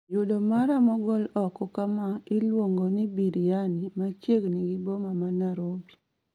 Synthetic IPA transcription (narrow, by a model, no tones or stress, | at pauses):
jʊdomaɾamɔɡɔlɔkɔkamaɪlwoŋɡonɪbiɾijanimat͡ʃeɡniɡibomamanaɾobja